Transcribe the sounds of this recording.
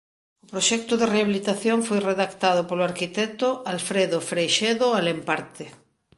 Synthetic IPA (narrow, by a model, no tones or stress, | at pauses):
ʊpɾoʃɛk̚t̪ʊðereaβilit̪aθjoŋfojreðakt̪að̞ʊpoloaɾkit̪ɛt̪oalfɾeðofɾejʃeðoalempaɾt̪ɪ